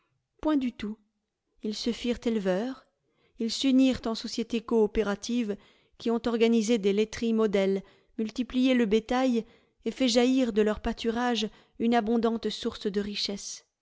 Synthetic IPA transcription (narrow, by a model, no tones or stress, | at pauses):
pwɛ̃d̪yt̪u | ilsəfiʁt̪elvœːʁ | ilsyniʁt̪ɑ̃sɔsjet̪ekɔːpeʁat̪ʰiv | kʲiɔ̃t̪ɔʁɡanized̪elet̪χimɔd̪ɛl | mylt̪iplijeləbet̪aj | efɛʒaiʁd̪əlœʁpat̪yʁaʒ | ynabɔ̃d̪ɑ̃t̪suʁsd̪əʁiʃɛs